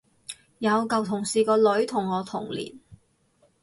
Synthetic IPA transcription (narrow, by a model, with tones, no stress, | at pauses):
jɐ˨˧wkɐ˨wt̪ʰʊ˨˩ŋsiː˨˩kɔː˧lɵ˨˥ɥt̪ʰʊ˨˩ŋːɔː˨˧t̪ʰʊ˨˩ŋlḭː˨˩n